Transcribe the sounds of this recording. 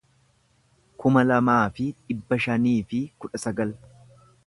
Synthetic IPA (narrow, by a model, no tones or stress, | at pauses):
kʊmɐlɐmaːfɪᶑɪbːɐʃɐniːfɪkʊᶑɐsɐɡɐl